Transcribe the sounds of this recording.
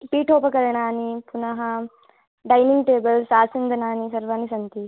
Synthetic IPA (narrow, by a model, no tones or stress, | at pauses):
piːʈʰoːpɐkɐɾɐɳaːnipunɐɦɐ | ɖɐjniŋɡʈeːbɐlsaːsind̪ʱɐnaːnisɐɾʋaːnisɐnt̪i